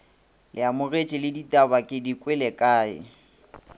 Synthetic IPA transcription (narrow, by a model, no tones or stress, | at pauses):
lʔɪamʊret͡ʃʼɪlɪditʼabakʼɪdikʼwɛlɛkʼaːɪ̰